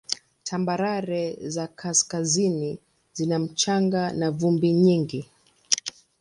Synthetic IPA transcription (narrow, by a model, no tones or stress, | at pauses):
tʰambaɾaɾɛzakʰaskazini | zinam̩t͡ʃaŋɡanavumbiɲiŋɡi